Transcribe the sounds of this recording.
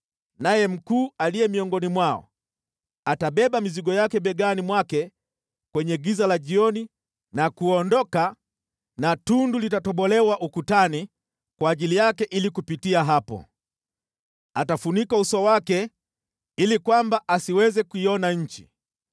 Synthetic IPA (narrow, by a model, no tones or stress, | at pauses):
najɛm̩kuːalijɛmiɔŋɡɔnimwaɔ̰ | ataɓɛɓamiziɡɔjakɛɓɛɡanimwakɛ | kwɛɲɛɡizalaʄiɔni | nakuɔndɔka | natundulitatɔɓɔlɛwaʔukutani | kwaːʄilijakɛʔilikupitiaɦapɔ̰ | atafunikausɔwakɛ | ilikwambaʔasiwɛzɛkuiɔnaɲ̩t͡ʃi̥̰